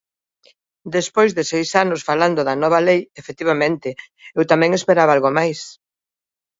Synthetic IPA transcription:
d̪espojzðesejsanʊsfaland̪oðɐnɔβ̞ɐlejefet̪iβamẽnt̪ɪ | ewt̪amɛ̃ŋespeɾaβalɣomajs

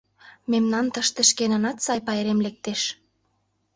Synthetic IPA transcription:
memnɑnt̪əʃt̪eʃkenɑnɑt̪sɑjpɑeɾemlek̚t̪eʃ

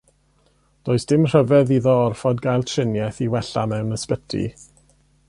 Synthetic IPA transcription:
d̥oːɨsd̥ɪmr̥əvɛðiðɔɔrfɔdɡajlˠtʰrɪnjɛθiwɛɬa̰mɛwnəspətʰḭ

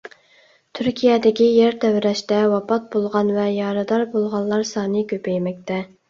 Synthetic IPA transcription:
t̪ʰyɾkʲʰijɛd̪ɪkʲijɛɾt̪ʰɛwɾɛʃt̪ɛwɑpɑt̪̚bolˠʁɑnvɛjɑɾɨd̪ɑɾbolˠʁɑnˠlːˠɑɾsɑːnɨkʲøpɛjmɛk̚ʲt̪ɛ

